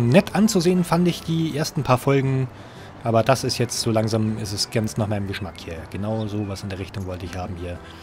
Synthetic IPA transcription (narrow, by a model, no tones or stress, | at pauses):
nɛtʰʔant͡suzeːənfandɪçd̥iːʔeːɐstn̩pʰaːɐfɔlɡŋ̩ | ʔaːbɐd̥asɪstjɛt͡stz̥oːlaŋzaːmɪstɛsɡ̥anstnaːχmaɪnəmɡəʃmakhiːɐɡ̥ənaʊzoːvasɪndeːɐʁɪçtʊŋvɔltəɪçhaːbm̩hiːɐ